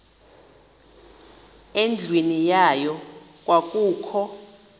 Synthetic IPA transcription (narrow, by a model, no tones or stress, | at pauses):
end͡ɮʱwenijajɔ | k̬ʼwʔak̬ʼuːkʰɔ